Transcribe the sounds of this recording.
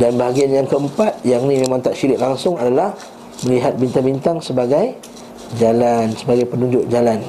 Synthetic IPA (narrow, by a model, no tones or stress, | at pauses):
danbaɦaɡianjaŋkəəmpat̪̚jaŋnĩmemãŋt̪aʔʃiɾɪʔ̚laŋsʊŋadalah | mə̃liɦat̪̚bint̪abint̪aŋsəbaɡaj | d͡ʒalansəbaɡajpənũɲd͡ʒʊk̚d͡ʒalan